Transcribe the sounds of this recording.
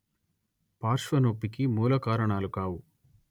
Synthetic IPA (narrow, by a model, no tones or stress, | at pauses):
paːɾʂʋɐnoːpːikimuːlɐkaːɾɐɳaːlukaːwu